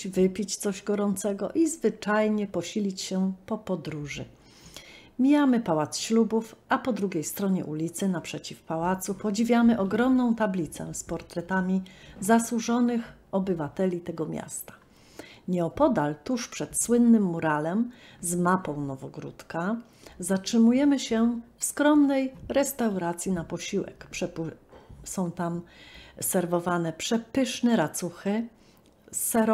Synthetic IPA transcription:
vɘpʲit͡ɕt̪sɔʑɡɔɾɔnt̪sɛɡɔ̰ʔizvɘt͡ʂajɲɛpɔɕilʲit͡ɕɕɛpɔpɔd̪ɾuʐɘ | mʲijamɘpawat̪sɕlubufʔapɔd̪ɾuɡʲejst̪ɾɔɲɛ̰ʔulʲit̪sɘnapʂɛt͡ɕifpawat̪supɔd͡ʑivʲjamɘʔɔɡɾɔmnɔ̃w̃t̪ablʲit̪sɛ̰spɔɾt̪ɾɛt̪amʲizaswuʐɔnɘx | ɔbɘvat̪ɛlʲit̪ɛɡɔmʲja̰st̪ḁ | ɲɛɔpɔd̪alt̪uʂpʂɛt̪swɘnːɘmːuɾalɛmzmapɔ̃w̃nɔvɔɡɾṵt̪ka | zatʂɘmujɛmɘɕɛfskɾɔmnɛjɾɛst̪awɾat̪sʲjinapɔɕiwɛ̰kpʂɛp | sɔ̃w̃t̪amsɛɾvɔvanɛpʂɛpɘʂnɛɾat̪suxɘ | sɛɾ

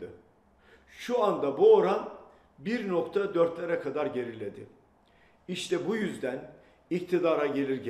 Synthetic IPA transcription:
ɯ | ʃuand̪abuoɾam | biɾno̞kt̪ʰad̪øɾt̪lʲe̞ɾɛkʰad̪aɾɟe̞ɾilʲe̞d̪ɪ̰ | iʃt̪ʰɛbujyzd̪æn | ict̪ʰid̪aːɾaɟe̞lʲiɾɟ

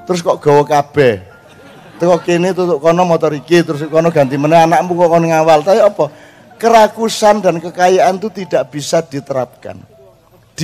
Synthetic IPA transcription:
t̪əɾʊs̬kɔʔɡ̥ɔ̤wɔkab̥ɛh | t̪əkɔkenit̪ut̪ʊʔkɔnɔmɔt̪ɔɾikit̪əɾʊs̬kɔnɔɡ̥a̤nt̪imənɛɦanaʔmukɔʔkɔnɔŋawalt̪ajaɔpɔ | kəɾakusand̪a̤nkəkajaʔant̪ut̪id̥aʔb̥isad̪̥i̤t̪əɾap̚ka̰n | d̪̥

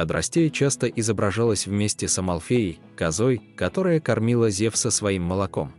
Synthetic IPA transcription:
ɐt̪ɾɐ̰sʲtʲejt͡ɕast̪əʔɪzəbɾɐʐalˠəsʲvmʲesʲtʲɪsəmɐlˠfʲeɪj | kɐzojkɐt̪o̞ɾəjəkɐrmʲilˠəzʲefsəsvɐimːəlˠɐko̞̰m

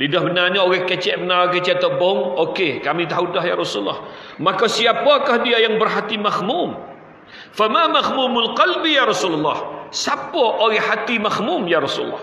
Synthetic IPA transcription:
lidahbənarnaoɣɛkət͡ʃɛʔbənakət͡ʃɛʔt̪əbɔŋokekamit̪̬aɦudaɦjaɾɔsulːɑ̰h | makasiapakahdiajaŋbərɦat̪imahmum | famamahmumʊlqɑlbijaɾɑsulalːɑ̰hsapaʔoɾɛhhat̪imahmumjaɾɑsula̰lːɑ̰h

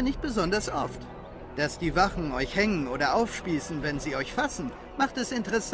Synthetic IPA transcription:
ɐnɪçt̚b̥əzɔndɐsʔɔft | d̥asd̥iːvafn̩ɔʏçhɛŋənʔoːdɐʔaʊfʃpiːsn̩vɛnziːɔʏçfasn̩ | maχtɛsɪntəʁɛs

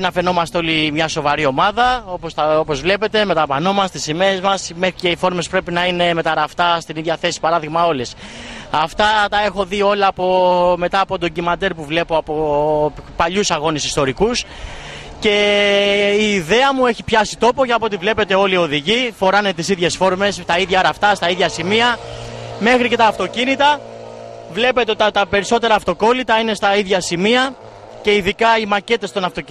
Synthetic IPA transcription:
inɐfe̞no̞mɐst̪eo̞limɲɐso̞vɐɾio̞mɐðɐo̞post̪ɐo̞po̞zvle̞pe̞t̪e̞me̞t̪ɐpɐno̞mɐst̪isime̞ɾezmɐsmexɾice̞ifo̞ɾme̞spɾe̞pinɐine̞me̞t̪ɐɾɐft̪ɐst̪iniðʝɐθe̞si̥pɐɾɐðiɣmɐo̞lesɐft̪ɐt̪ɐe̞xo̞ðio̞lɐːpo̞me̞t̪ɐːpo̞t̪o̞ɟimɐd̪e̞ɾpuvle̞po̞ɐpo̞ | pɐʎusɐɣo̞nesist̪o̞ɾikus | ce̞ | iːðe̞ɐmue̞çipçɐsit̪o̞po̞ʝɐpoot̪ivle̞pe̞t̪e̞o̞lio̞ðiʝifo̞ɾɐne̞t̪isiðʝe̞sfo̞ɾme̞st̪ɐiðʝɐɐɾɐft̪ɐst̪ɐiðʝɐsimiɐme̞xɾice̞t̪ɐːft̪o̞cinit̪ɐ | vle̞pe̞t̪eot̪ot̪t̪ɐpe̞ɾiso̞t̪e̞ɾɐːft̪o̞ko̞lit̪ɐine̞st̪ɐiðʝɐsimiɐ | ce̞iðikɐimɐce̞t̪e̞st̪o̞nɐft̪o̞c

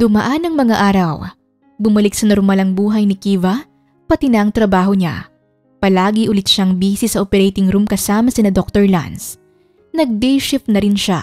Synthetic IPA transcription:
d̪ʊmɐʔanɐŋmɐŋaʔaːɾɐw | bʊmɐlɪk̚sɐnɐɾʊmɐlɐŋbuːɦɐjnɪkiːvɐ | pɐt̪ɪnɐʔɐŋt̪ɾɐbaːɦo̞ɲa̰ | pɐlaːɡiʔʊlɪt̪̚ʃaŋbiːsɪsɐʔopɛɾɛjt̪ɪŋɾumkɐsaːmɐsɪnɐd̪ok̚t̪oɹla̰ns | nɐɡ̚d̪ɛjʃɪfnɐɾɪnʃa

